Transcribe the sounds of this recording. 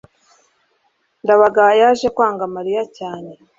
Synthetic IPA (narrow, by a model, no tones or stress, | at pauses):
ndaβaɡajaʒekwaːŋɡamaɾijacaːne̞